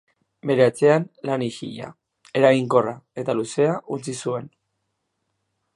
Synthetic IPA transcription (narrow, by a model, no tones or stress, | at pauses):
be̞ɾe̞at͡se̞anlanixḭʎa̰ | e̞ɾaɣiŋko̞rae̞t̪aluse̞aʔunt͡sisue̞n